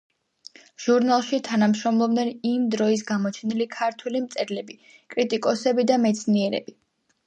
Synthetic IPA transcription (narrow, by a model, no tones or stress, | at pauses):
ʒ̥uɾnalˠʃit̪ʰanamʃɾɔmlˠɔbnɛnimd̪ɾɔis̬ɡamɔt͡ʃʰɛnilikʰaɾt̪ʰwɛlimt̪sʼɛɾlɛbi | kʼɾit̪ʼikʼɔsɛbid̪amɛt̪sʰniɛɾɛ̰bi